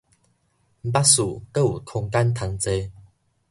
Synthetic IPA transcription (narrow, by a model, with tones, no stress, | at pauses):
m̩˦pa˦˥su˨˩kə˦˨ṵ˨˩kʰɔ˧ŋka˦nt̪ʰa˧ŋt͡se˧